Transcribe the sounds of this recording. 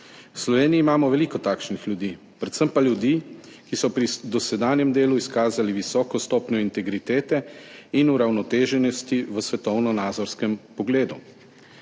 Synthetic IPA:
wslɔʋeːniːmaːmɔʋɛliːkɔt̪aːkʃnixljud̪iː | pɾɛt̪səmpaljud̪iːkisɔpɾid̪ɔsɛd̪aːnjɛmd̪eːluiskaːzaliʋisɔːkɔst̪ɔːpnjɔint̪ɛɡɾit̪eːt̪ɛinuɾawnɔt̪eːʒɛnɔst̪iʋəsʋɛt̪ɔwnɔnaːd̪zɔɾskɛmpɔɡleːd̪u

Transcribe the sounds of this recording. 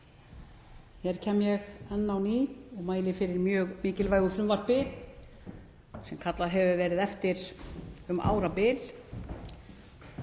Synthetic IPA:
hɛɾ̥cʰɛːmjɛɣɛnːawniːɔɣmaːjlɪfɪɾɪɾmjœːɣmiːcɪlvaːjɣʏfɾʏmvar̥pɪ | sɛmkʰat̪laðɦɛvʏvɛːɾɪðɛft̪ɪɾ̥ʏmʔa̰ːwɾapɪl

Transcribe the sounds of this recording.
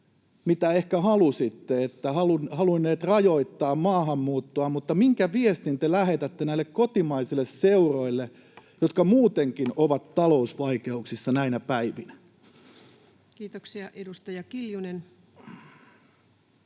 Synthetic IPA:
mit̪æehkæhɑlusit̪ːeet̪ːæhɑlunhɑluinːeːt̪rɑjoit̪ːɑːmmɑːhɑmːuːt̪ːoɑmut̪ːɑmiŋkæʋiest̪int̪elæhet̪æt̪ːenæilːekkot̪imɑisilːˑesseuroilːe | jot̪kɑmuːt̪eŋkinoʋɑt̪tɑlousʋɑikeuksisːɑnæinæpæiʋinæ | kiːt̪oksiɑʔedust̪ɑjɑkiljunen

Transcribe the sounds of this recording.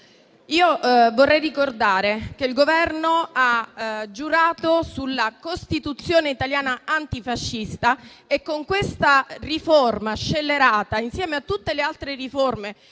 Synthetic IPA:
iːovorːɛjrikord̪aːɾek̟eilɡovɛrnoad͡ʒːuɾaːt̪osulːakost̪it̪ut̪sːjoːneit̪aljaːnaant̪ifaʃːist̪aekːoŋkwest̪ariformaʃːelːeɾaːt̪ainsjɛːmeat̪ːut̪ːelealt̪ɾeriforme

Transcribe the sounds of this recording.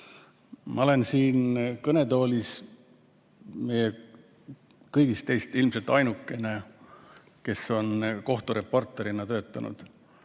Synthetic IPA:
mʔɑole̞nsiːnkɤne̞t̪o̞ːlʲis | me̞je | kɤjɡ̥ist̪e̞jst̪ilmse̞lt̪ːˑɑjnukːˑe̞ne̞ | ke̞sːo̞nko̞ht̪uɾe̞pːo̞rt̪ːˑe̞ɾinɑt̪ø̞ːt̪ːˑɑnṵd̪̥

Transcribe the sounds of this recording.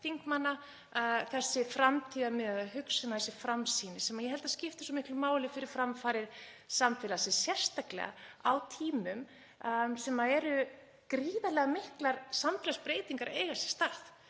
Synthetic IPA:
θiŋkmanːa | θɛsːɪfɾamt̪ʰiːðamɪðaðaɦʏksʏnaθɛsːɪfɾamsiːnɪsɛmajɛhɛlt̪ascɪft̪ɪ̥sɔmɪhklʏmaːwlɪfɪɾɪɾ̥fɾamfaːɾɪɾ̥samfɛːlasɪsjɛr̥st̪aklɛ̰ɣa̰awt̪ʰiːmʏm | sɛmaðɛɾʏ | kɾiːðalɛɣamɪhklaɾsamfɛːlaspɾeːjt̪iŋkaɾaejɣasɛ̥st̪aɾ̥θ

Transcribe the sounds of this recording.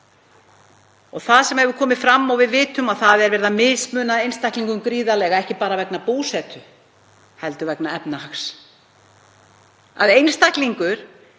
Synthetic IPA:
ɔɣθaðsɛmɛvʏkʰɔːmɪfɾamːɔɣvɪðvɪːt̪ʏmaðθaðɛɾvɛɾðamɪsmʏːnaðejnst̪ahkliŋkʏmkɾiːðalɛɣaɛhcɪpaːɾavɛknapuːsɛt̪ʏ | hɛlt̪ʏvɛknaɛpnahaks | a̰ðejnst̪akliŋkʏɾ̥

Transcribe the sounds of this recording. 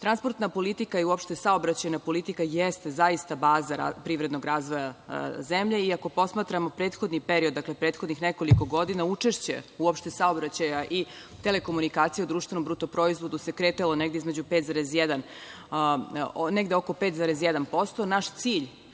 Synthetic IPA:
t̪ɾanspo̞ɾt̪napo̞lit̪ikaiuopʃt̪esaobɾat͡ɕajnapo̞lit̪ikajest̪ezaist̪abaːzaɾa̰pɾiːʋvɾed̪no̞ɡɾaːzʋo̞jazemʎeiako̞po̞smaːt̪ɾamo̞pɾeːt̪xo̞d̪nipeɾiod̪ːakle̞pɾeːt̪xod̪nixneko̞liko̞ɡo̞d̪inaut͡ʂe̞ʃt͡ɕḛuopʃt̪esao̞bɾat͡ɕajaʔi | t̪ele̞ko̞munikaːt̪sijeud̪ɾuːʃt̪ʋeno̞mbɾut̪o̞pɾo̞izʋo̞d̪use̞kɾet̪alˠo̞ne̞ɡd̪eizmed͡ʑupet̪zaɾezjɛd̪an | neɡd̪eoko̞pet̪zaɾesjɛd̪anpo̞st̪o̞naʃt̪siːʎ

